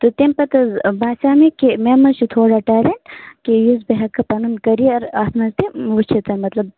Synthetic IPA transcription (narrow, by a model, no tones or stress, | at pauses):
t̪ut̪empɐt̪ɐzbaːsaːmikimeːmɐt͡ʃʰut̪ʰoːɽaʈaːleɳʈkijuzbeɦɐkːɐpɐnunkɐɾiɐɾaːt̪mɐzt̪iʋut͡ʃʰit̪ɐnmɐt̪lɐb̚